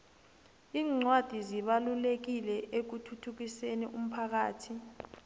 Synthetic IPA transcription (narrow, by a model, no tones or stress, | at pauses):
iːŋ͡ǀwad̥ʱiziɓalulek̬ilɛʔek̬utʰutʰuk̬isenḭʔum̩pʰak̬aːtʰi